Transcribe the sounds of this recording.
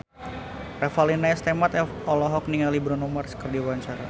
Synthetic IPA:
rɛfalinaɛst̪ɛmat̪ɛ | ɔlɔɦɔkniŋalibɾɔnɔmarskərdiwaɲt͡ʃaɾa

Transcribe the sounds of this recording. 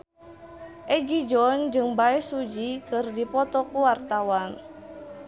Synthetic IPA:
ʔɛɡid͡ʒɔnd͡ʒɨŋbaɛsud͡ʒikɨrdipɔt̪ɔkuwart̪awan

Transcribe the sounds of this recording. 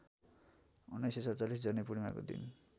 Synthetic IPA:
unːʌjsesʌrt͡salis̬d͡zʌnipuɽimako̰d̪ḭn

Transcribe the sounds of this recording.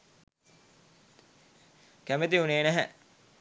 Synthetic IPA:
kæmet̪iuneːnæɦɛ̰

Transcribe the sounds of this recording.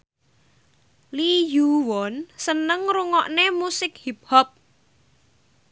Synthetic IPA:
lijuwɔnsənəŋruŋɔʔnemusɪk̚hip̚hɔp̚

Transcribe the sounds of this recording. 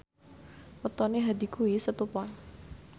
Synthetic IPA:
wət̪ɔneɦad̪i̤kuisət̪upɔn

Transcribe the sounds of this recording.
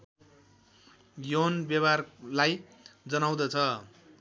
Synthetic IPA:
jonbjʌbarlaj | d͡zʌnaw̃d̪ʌt͡sʰʌ

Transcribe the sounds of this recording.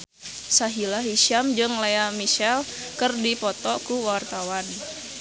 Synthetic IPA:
saɦilaɦiʃamd͡ʒɨŋleamiʃɛl | kɨrdipɔt̪ɔkuwart̪awan

